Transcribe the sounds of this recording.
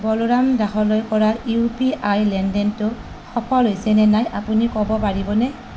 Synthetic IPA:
bɔloɹamdaxɔlojkɔɹaupiʔajlɛndɛntʊ | xɔpʰɔlɦojsɛnɛnajʔapunikɔbɔpaɹibɔnɛ

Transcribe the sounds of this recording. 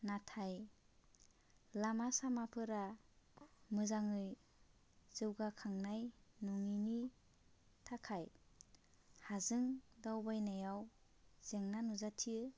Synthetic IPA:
natʰaj | lamasamapʰɯɾa | mɯzaŋɯj | z̥ɯwɡakʰaŋnajnuŋini | tʰakʰaj | hazɯŋdawbajnajaw | z̥eŋnanuzatʰijɯ

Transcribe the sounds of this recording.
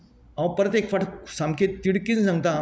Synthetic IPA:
ãwpɾət̪jekfaʈʰsamkʰet̪t̪ːiɽkinsãŋɡ̚t̪a

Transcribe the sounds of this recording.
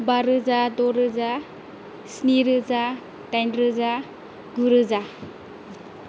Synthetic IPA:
baɾɯzadɔɾɯza | sniɾɯza | tajnɾɯza | ɡuɾɯza

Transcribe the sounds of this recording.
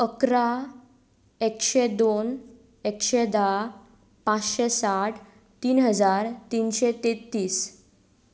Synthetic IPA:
əkɾa | ekɕed̪on | ekɕed̪a | pãt͡sɕesaʈʰ | t̪iːnɦəd͡zaɾt̪inɕet̪et̪ːiːs

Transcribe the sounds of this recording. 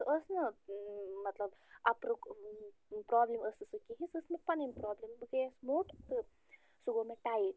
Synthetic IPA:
əsnɐ | mɐt̪lɐbɐpɾuk | pɾɔːbliməsɨsɨkiɦĩsɨsmepɐnimpɾɔːblimbɨɡesmoːʈʰt̪ɨ | suɡomeʈaːi

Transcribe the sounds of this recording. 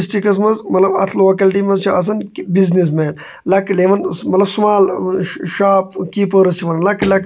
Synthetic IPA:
sʈikɐs̬mɐnzmɐt̪lɐbɐ̰t̪ʰloːkɐlʈimɐzt͡ʃʰiɐs̬ɐnbiznis̬meːn | lɐkleːʋɐnmɐt̪lɐbsmaːlʃaːpkiːpəɾɐst͡ʃʰiʋɐnlɐklɐk

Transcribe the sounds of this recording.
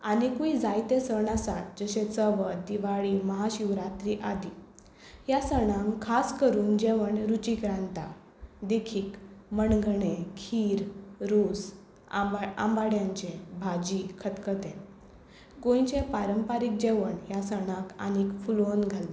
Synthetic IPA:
anikuid͡zajt̪ẽsəɳasat̪̚d͡zəɕẽt͡səʋəd̪iʋaɭiməɦaɕiʋɾat̪ɾiʔad̪i | jasəɳãŋkʰaskəɾuːnd͡ʑeʋəɳɾut͡ɕikɾãnt̪a̰ | d̪ekʰiːkməɳɡʱəɳekʰiːɾɾos | a̰mbaɽjãɲt͡ɕẽbʱad͡ʑikʰət̪kət̪ẽ | kõjt͡ɕẽpaɾəmpaɾik̚d͡ʑeʋəɳɦjasəɽ̃ãka̰nikfulonɡʱal

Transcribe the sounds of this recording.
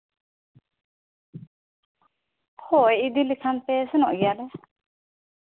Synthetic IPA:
hɔɛid̪ilikʰant̪ɛsɛnɔ̰ʔɡialɛ

